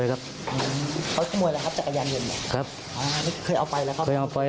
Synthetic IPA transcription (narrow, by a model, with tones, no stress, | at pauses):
kʰa˦˥p̚ | ʔɯː˧˩kʰa˧k̪ʰɔː˥˩muː˧jlaː˧kʰa˦˥pt͡ɕa˨˩kʰːa˧jaː˧nje˧˩nːa˧˩kʰɾa˦˥p̚ | ʔaː˧˩maː˥˩kʰɤː˧jʔa˧wpa˧jlɛː˧˦˥wkʰa˥kɤː˧jʔa˧wpa˧j